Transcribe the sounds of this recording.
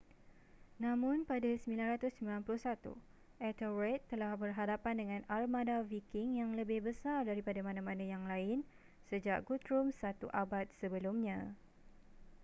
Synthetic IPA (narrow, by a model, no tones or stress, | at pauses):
nãmʊ̃npadasəmilanrat̪ʊsəmbilanplʊhsat̪ṵ | ʔɛt̪ərɛt̪ːəlahbərɦadapandəŋãnalmadavikɪŋjaŋləbɪhbəsardaɾipadamãnãmãnãjaŋlaɪn | səd͡ʒaʔ̚ɡut̪ɾumsat̪uʔabat̪̚səbəlʊmɲã